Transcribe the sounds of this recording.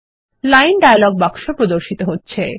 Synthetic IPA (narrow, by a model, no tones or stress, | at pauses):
lajnɖajalɔɡ̚bakʃopɾod̪oɾʃit̪oɦotːɕʰe